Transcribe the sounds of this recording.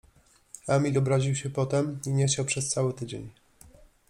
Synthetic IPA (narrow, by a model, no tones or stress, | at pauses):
amʲilɔbɾaʑiwɕɛpɔt̪ɛmiɲext͡ɕawpʂɛst̪sawɘt̪ɘd͡ʑeɲ